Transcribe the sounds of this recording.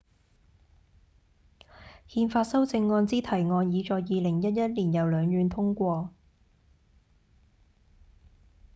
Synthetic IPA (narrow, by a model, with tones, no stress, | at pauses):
hiː˧nfaː˧t̚sɐ˥wt͡sɪ˧ŋːɔː˧nt͡siː˥t̪ʰɐ˨˩jŋɔː˧njiː˨˧t͡ʃɔː˨˧jːiː˨˧lɪ˨˩ŋjɐ˥t̚jɐ˥t̚liː˨˩njɐ˨wlœː˨˧ŋjyː˨˧nt̪ʰʊ˥ŋkʷɔː˧